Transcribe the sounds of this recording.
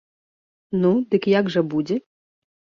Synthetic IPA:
nud̪ɨkjaɡʐɐbud͡zʲɛ

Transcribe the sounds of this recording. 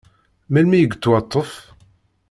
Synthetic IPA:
mælmijəɡət͡s̪ːwɑt̪ˤːəf

